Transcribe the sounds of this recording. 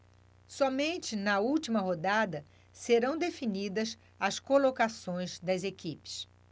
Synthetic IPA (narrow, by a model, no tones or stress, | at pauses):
sɔmẽnt͡ʃɪnɐuwt͡ʃimɐɦod̪ad̪ɐ | seɾɐ̃w̃d̪efinid̪ɐs | ɐskolokasõj̃zd̪ɐzekipɪ̥s